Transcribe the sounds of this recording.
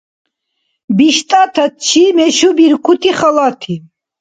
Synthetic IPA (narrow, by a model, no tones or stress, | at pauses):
biʃt̪ʼat̪ʰat̪̚t͡ʃʰimɛʃubiɾkʰut̪ʰiχalat̪ʰi